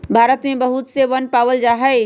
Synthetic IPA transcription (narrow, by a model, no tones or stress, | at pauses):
bʱaːɾət̪mẽbɐɦʊt̪seʋənpaːʋəld͡ʑaːɦɛː